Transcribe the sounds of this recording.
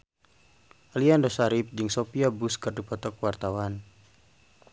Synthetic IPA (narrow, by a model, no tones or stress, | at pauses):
ʔaliandɔsaɾip̚d͡ʒɨŋsɔpiabuskɨrdipɔt̪ɔk̚wart̪awan